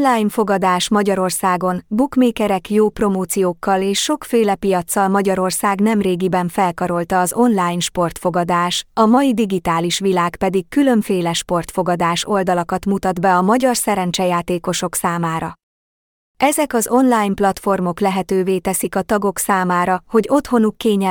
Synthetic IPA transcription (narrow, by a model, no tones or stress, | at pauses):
laːjnfo̞ɡɒd̪aːʃmɒɟɒɾo̞rsaːɡo̞nbukmeːkɛɾɛkjoːpro̞moːt̪sijoːkːɒleːʃːo̞kfeːlɛpijɒt̪sːɒlmɒɟɒɾo̞rsaːɡnɛmreːɡibɛɱfɛlkɒɾo̞lt̪ɒːzo̞nlaːjnʃpo̞rt̪fo̞ɡɒd̪aːʃɒmɒid̪iɡit̪aːliʃʋilaːkpɛd̪ikːylø̞ɱfeːlɛʃpo̞rt̪fo̞ɡɒd̪aːʃo̞ld̪ɒlɒkɒt̪mut̪ɒd̪bɛɒmɒɟɒrsɛɾɛnt͡ʃɛjaːt̪eːko̞ʃo̞ksaːmaːɾɒ | ɛzɛkɒzo̞nlaːjnplɒt̪fo̞rmo̞klɛɦɛt̪øːveːt̪ɛsikɒt̪ɒɡo̞ksaːmaːɾɒho̞ɟo̞t̪ho̞nukːeːɲɛ